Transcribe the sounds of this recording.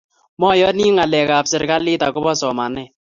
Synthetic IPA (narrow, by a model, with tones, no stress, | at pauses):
mɔ˦jɔ˦ni˦ŋa˨lɛ˨ka˨psɪ˨ɾka˦lɪ˦ta˨kʊ˦bɔ˦sɔ˨ma˨nɛː˦˨